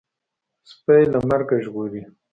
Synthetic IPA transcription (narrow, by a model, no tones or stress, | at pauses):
spajlamaɾɡaʒɣoɾi